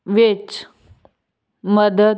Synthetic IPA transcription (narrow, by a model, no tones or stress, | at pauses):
ʋet͡s | məd̪ə